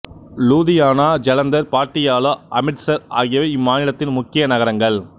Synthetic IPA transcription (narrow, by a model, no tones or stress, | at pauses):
luːðɪjaːnaːd͡ʒɐlɐnd̪ɐɾpaːʈːɪjaːlɐʔɐmɪʈsɐɾa̰ːɣɪjɐʋɐɪmːaːnɪlɐt̪ːɪnmʊkːɪjɐnɐɣɐɾɐŋɡɐɭ